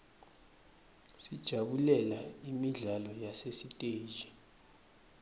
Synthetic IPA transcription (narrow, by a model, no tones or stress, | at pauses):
sid̥ʒ̥ʱaɓulɛlaimiɮalɔjasesitʼe̥ːʒ̥ʱi̥